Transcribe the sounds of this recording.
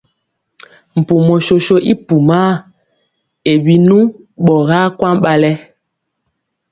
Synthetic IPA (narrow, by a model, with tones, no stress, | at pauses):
m̩˨pu˨mɔ˨ʃo˨ʃo˦ʔi˦pu˨ma˦ | e˨bi˨nũ˦ | ɓɔ˨ɣa˦kwa˦ɓa˦lɛ˦